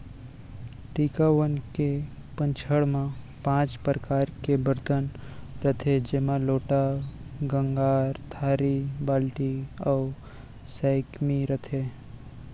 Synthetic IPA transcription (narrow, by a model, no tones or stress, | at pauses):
ʈiːkaʋənke | pə̃ɲt͡ʃʰəɽmã | pãːt͡ʃpɾəkaːɾkebəɾt̪ən | ɾət̪ʰed͡ʒeːmãloːʈaɡə̃ŋɡaːɾt̪ʰaːɾibaːlʈiɔː | saɪkmiɾət̪ʰeː